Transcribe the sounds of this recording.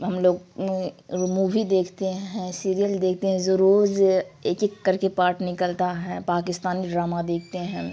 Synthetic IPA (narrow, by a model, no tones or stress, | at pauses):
ɦɐmloːɡ | muːʋid̪eːkʰt̪eɦɛ̃siːɾijəld̪eːk̚ʰt̪eɦɛ̃d͡ʒoɾoːzeːkekːɐɾkepaːɾʈʰnɪkəlt̪aɦɛpaːkɪst̪aːniɖɾaːmad̪eːk̚ʰt̪eɦɛ̃